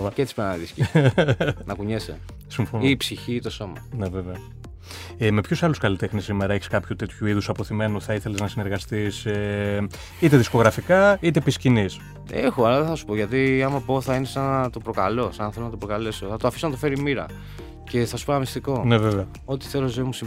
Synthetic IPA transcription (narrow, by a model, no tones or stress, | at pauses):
cet͡ssipenɐniðisci | nɐkuɲesḛ | siɱfonipsiçiːt̪o̞so̞mɐ̰ne̞ve̞veɐ | eme̞pçusɐluskɐlit̪exnisːimeɾɐeçi̥skɐpçut̪et̪çuiðusɐpo̞θime̞nuθɐiθe̞leznɐsine̞ɾɣɐst̪ise | it̪e̞ðisko̞ɣɾɐfikɐit̪e̞piscinis | e̞̰xoɐlɐðeθɐsu̥po̞ʝɐt̪iɐmɐpo̞θɐinesɐnɐt̪o̞pɾo̞kɐlo̞sɐnθelonɐt̪opɾokale̞so̞θɐt̪oɐfisonɐt̪ofe̞ɾimiɾɐ̰ | ce̞θɐsu̥ponɐmist̪iko̞ne̞veveɐ | o̞t̪i̥θe̞lozemus